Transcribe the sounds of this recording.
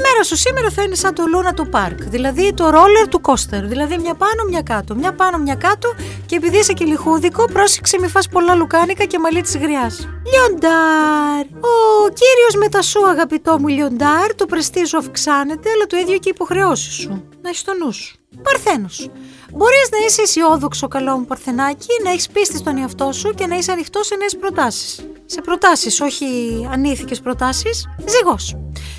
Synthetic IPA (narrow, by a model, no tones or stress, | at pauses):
me̞ɾɐsusime̞ɾɐθinesɐnt̪o̞lunɐt̪opɐɾkðilɐðit̪o̞ɾo̞le̞ɾt̪uko̞st̪eɾðilɐðimɲɐpɐno̞mɲɐkɐt̪omɲɐpɐnomɲɐkɐt̪o | ce̞ːpiðiisecelixuðiko̞pɾo̞se̥kse̞mifɐspo̞lɐlukɐnikɐce̞mɐlit̪izɣɾiɐsʎond̪ɐɾ | ociɾio̞zme̞t̪ɐsuɐɣɐpit̪o̞muʎo̞nd̪ɐɾt̪opɾest̪isuɐfksɐne̞t̪e̞ɐlɐt̪oiðʝoceipo̞xɾe̞o̞si̥su | nɐeçi̥st̪o̞nusu̥ | pɐɾθe̞nos | bo̞ɾiznɐisesio̞ðo̞kso̞kɐlo̞mupɐɾθe̞nɐcinɐe̞çi̥spist̪ist̪o̞neɐft̪o̞suce̞nɐiseɐnixt̪o̞se̞ne̞ːspɾo̞t̪ɐsi̥sːe̞pɾo̞t̪ɐsiso̞çiɐniθice̞spɾo̞t̪ɐsisziɣo̞s